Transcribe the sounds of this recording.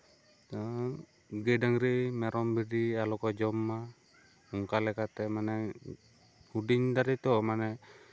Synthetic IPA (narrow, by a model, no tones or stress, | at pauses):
ɡɛɖaŋɾimɛɾɔmbiɖialɔkɔd͡ʒɔmːa | uŋkalɛkat̪ɛmanɛ | huɖiɲd̪aɾit̪ɔmanɛ